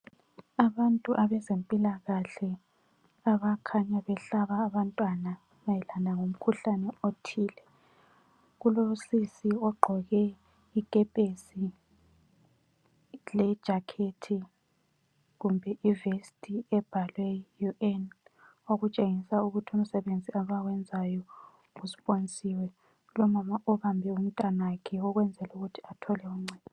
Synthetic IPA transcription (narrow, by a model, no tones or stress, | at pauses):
aβantʼuʔaβɛzempʼilaɣaɬɛ | aβakʰaɲaβɛɬaβaːβantʼwana | βajɛlanaŋom̩kʰuɬanɛotʰiːlɛ | ɣulosisiɔɡ͡ǃʱɔɣɛ | ikʼɛpʼesi | lɛd̥ʒ̥ʱakʰetʰi | ɣumbʱɛʔivestʼiɛb̥ʱalwɛjuʔɛn | oɣut͡ʃʼeŋisauɣutʰium̩sɛβend͡zʱiaβawɛnd͡zʱajɔ | usi̥pʼont͡sʼiwɛ | ulɔmamaʔɔβambʱɛum̩tʼanaakʰɛɔɣwɛnd͡zʱɛluɣutʰi̥atʰɔlɛuŋ͡ǀɛɔ